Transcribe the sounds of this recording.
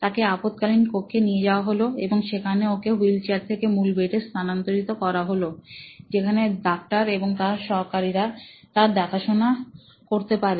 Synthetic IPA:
t̪akeapot̪kalinkokʰːenied͡ʑaoaɦoloeboŋʃekʰaneokeɦilt͡ɕaɾt̪ʰekemulbeʈest̪ʰanant̪oɾit̪okɔɾaɦolod͡ʑekʰaneɖak̚ʈaɾeboŋt̪aɾʃɔɾkaɾiɾat̪aɾd̪ɛkʰaʃona | koɾt̪epaɾe

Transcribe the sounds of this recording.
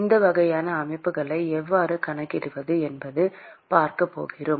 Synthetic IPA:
ɪnd̪ɐʋɐɣɐjaːnɐːmɐɪpːɯɣɐɭɐɪɛʋːaːɾɯkɐɳɐkːɪɾɯʋɐðɯɛnbɐðɯ | paːɾkɐpːo̰ːɣɪrɯm

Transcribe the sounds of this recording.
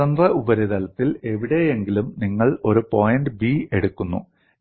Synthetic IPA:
ɐnd̪rɐubɐɾiðɐlɐt̪ːile̞ʋiɽe̞jeŋɡilumniŋːɐɭo̞ɾupo̞ːjɐnɖɨbiːe̞ɽukːunːṵ

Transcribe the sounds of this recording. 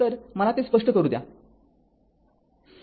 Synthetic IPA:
əɾməlat̪iːspəʂʈəkəɾuːd̪ja̰

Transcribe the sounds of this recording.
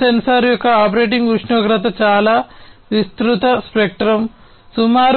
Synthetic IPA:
ensɐɾjɔkːɐaːpɐɾeːʈiŋɡuʂɳɔːɡɾɐt̪ɐt͡ʃaːlaːʋist̪ɾut̪ɐspek̚ʈɾɐm | sumaːɾ

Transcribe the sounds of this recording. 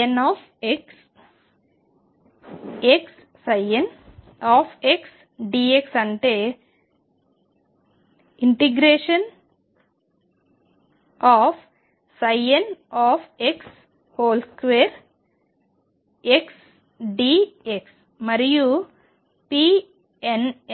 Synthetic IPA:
naːf | eks | eks | sɐjen | aːfʰeks | ɖiːeksɐɳʈeː | iɳʈeɡɾeːʂɐn | aːf | sɐjenaːfʰeks | hoːlskʋeːɾ | eks | ɖiːeks | mɐɾju | pi | en

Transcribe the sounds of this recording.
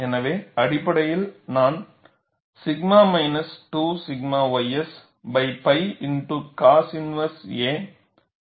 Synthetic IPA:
ɛnɐʋeːɐɽɪpːɐɽɐjɪlnaːn | sɪɡmaːmɐɪnɐsʈuːsɪɡ̚maːʋɐɪɐs | bɐɪpɐɪɪnʈukaːsɪnʋɐseː

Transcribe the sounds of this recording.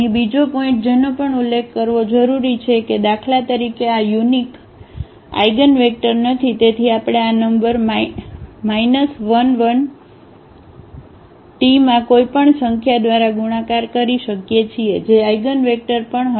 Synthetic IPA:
ibid͡ʒopoɪ̃ɳʈ̚d͡ʒenopəɳulːekʰːəɾʋod͡ʒəɾuɾit͡ʃʰeked̪akʰlat̪əɾikeajunik | a̰jɡənʋek̚ʈəɾnət̪ʰit̪et̪ʰiapɽ̃eanəmbəɾm | mainəsʋənʋən | ʈimãkoipəɳsəŋkʰjad̪ʋaɾaɡuɽ̃ãkaɾkəɾiʃəkjet͡ʃʰied͡ʒeajɡənʋek̚ʈəɾpəɳɦ

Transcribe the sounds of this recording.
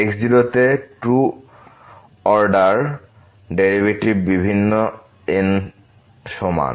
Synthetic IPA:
ekd͡ʑilot̪eʈu | ɔɾɖaɾ | ɖeɾibeʈibibʱinːo | en | ʃɔma̰n

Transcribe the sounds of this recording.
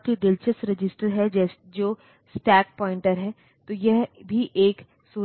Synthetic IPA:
t̪ʰid̪ɪlt͡ʃəsɾɪd͡ʒɪsʈəɾɦɛd͡ʒɛː | d͡ʒoː | sʈɛːk̚pɔːɪ̃ɳʈəɾɦɛː | t̪ojɛɦbʱiʔeːk | suː

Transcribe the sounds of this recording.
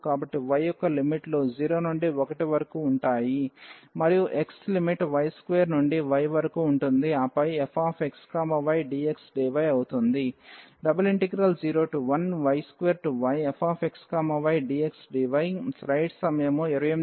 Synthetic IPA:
kaːbɐʈːiʋɐjɔkːɐlimiʈlo̞ːd͡ʒiːɾo̞ːnuɳɖiɔkɐʈiʋɐɾɐkuːɳʈaːjimɐɾijuʔe̞kslimiʈʋɐjskʋeːɾnuɳɖiʋɐjʋɐɾɐkuːɳʈund̪iaːpɐjepʰaːpʰekskaːmɐʋɐjɖiːeksɖiːʋɐjɐwut̪und̪iɖɐbɐliɳʈiɡɾɐld͡ʒiːɾo̞ːʈuʋɐnʋɐjskʋeːɾʈuʋɐjepʰaːpʰekskaːmɐʋɐjɖiːeksɖiʋɐjŋsɾɐjɖsɐmɐjɐmueɾɐjem

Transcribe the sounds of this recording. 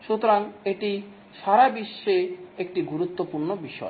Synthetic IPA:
ʃut̪oɾaŋeʈi | ʃaɾabiʃːeek̚ʈiɡuɾut̪ːopuɾnobiʃɔe

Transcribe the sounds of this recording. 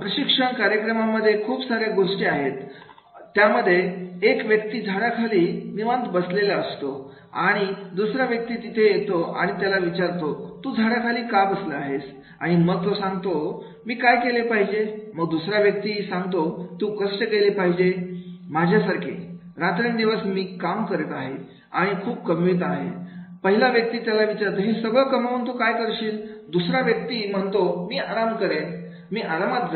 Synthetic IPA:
pɾəɕikʂəɳkaɾjəkɾəmaməd̪ʱːjekʰuːpsaɾeɡoʂʈeaɦet̪ː | jaməd̪ʱːjeːkʋjək̚t̪iːd̪ʱaɽakʰaliːniʋə̃nt̪bəslelaəst̪o | aɽ̃id̪usɾaʋjək̚t̪iːt̪it̪ʰejet̪oa̰ɽ̃it̪jalaʋit͡ɕaɾt̪ot̪uːd̪ʱaɽakʰaliːkabəsləaɦes | aɽ̃iməɡ̚t̪osãŋɡt̪o | miːkajkelepaɦid͡ʑeməɡ̚d̪usɾaʋjək̚t̪iːsãŋɡt̪ot̪ũkəʂʈəkelepaɦid͡ʑemad͡ʑʱjasaɾkʰḛ | ɾat̪ɾiɳd̪iʋəsmiːkamkəɾet̪aɦe | aɽ̃ikʰuːpkəmʋiːt̪aɦḛpəɦilaʋjək̚t̪iːt̪jalaʋit͡ɕaɾt̪oɦesəɡɭkəmaunt̪ukajkəɾɕiːld̪usɾaʋjək̚t̪iːm̤əɳt̪omiːaɾamkəɾe | miːʔaɾamat̪̚d͡z

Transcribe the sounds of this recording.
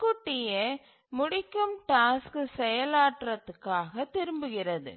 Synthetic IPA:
kːʊʈːɪjɐ | mʊɽɪkːɯmʈaːskɯsɛjɐlaːʈrɐt̪ːɯkːaːɣɐt̪ːɪɾɯmbɯɣɪrɐðɯ̰

